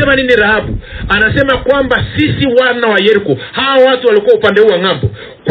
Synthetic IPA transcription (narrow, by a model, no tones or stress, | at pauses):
ɛmaniniɾahabuanasɛmakwambasisiwanawajɛɾikɔhawaɔwatualikuwaupandɛuwaŋambɔ | k